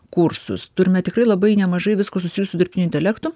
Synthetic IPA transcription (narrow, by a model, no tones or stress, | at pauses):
kuɾsʊ̰st̪ʊɾʲɪmʲɛt̪ʲɪkrɐɪlˠɐbɐɪnʲɛmɐʒɐɪʋʲɪskoːsʊsʲɪjuʊsʲʊd̪ʲɪɾʲpʲtʲɪnʲʊɪnʲt̪ʲɛlʲækt̪ʊ